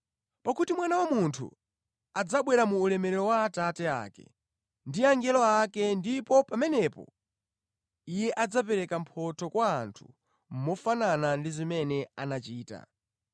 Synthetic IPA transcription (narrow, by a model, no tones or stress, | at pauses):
pakutimwanawamuntʰṵ | ad͡zaɓwɛɾamuːlɛmɛɾɛɾɔwaːtatɛa̰ːkɛ̰ | ndiaŋɡɛlɔakɛndipɔpamɛnɛpɔ̰ | ijɛʔad͡zapɛɾɛkampʰɔtʰɔkwaːntʰu̥ | m̩mɔfananandizimɛnɛanat͡ʃiːta̰